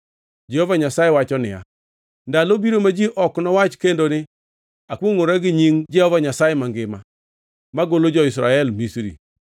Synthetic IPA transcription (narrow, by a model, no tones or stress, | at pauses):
d͡ʒɛhovaɲasajiwat͡ʃɔnɪ̰a̰ | ndalobiɾomad͡ʒiʔɔknɔwat͡ʃkendonɪ | akuŋʊɾaɡiɲiŋd͡ʒɛhovaɲasajɪmaŋɡɪma | maɡolod͡ʒɔis̬ɾa̰ɛlmisɾḭ